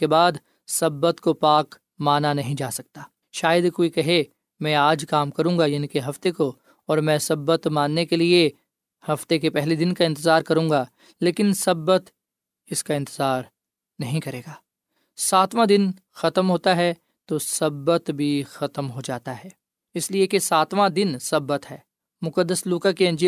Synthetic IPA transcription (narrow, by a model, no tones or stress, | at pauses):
ebaːd̪ | sɐbːət̪kopaːk | maːnanɐɦĩd͡ʒaːsɐk̚t̪aː | ʃaːjəd̪koːikɐɦe | mɛ̃ːaːd͡ʒkaːmkɐɾũːŋɡajɐnĩkeɦɐft̪eko | ɔːɾmɛ̃ːsɐbːət̪maːnːekelie | hɐft̪ek̬epɛɦlid̪ɪnkaɪ̃nt̪ɪzaːɾkɐɾũːŋɡa | leːkɪnsɐbːət̪ | ɪskaɪ̃nt̪ɪzaːɾ | nɐɦĩkɐɾeːɡaː | saːt̪ʋãd̪ɪn | xɐt̪mɦoːt̪aɦɛ | t̪osɐbːət̪bʱixɐt̪əmɦod͡ʒaːt̪aɦɛː | ɪsliekesaːt̪ʋãd̪ɪnsɐbːət̪ɦɛː | mʊkəd̪ːəsluːkakeɐ̃nd͡ʒi